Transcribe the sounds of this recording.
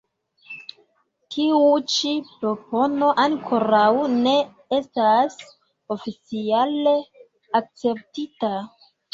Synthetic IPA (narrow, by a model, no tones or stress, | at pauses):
tʰiut͡ʃipɾo̞po̞no̞ʔaŋkʰo̞ɾawne̞ | e̞stas | o̞fit͡siale | ak̚t͡se̞ptita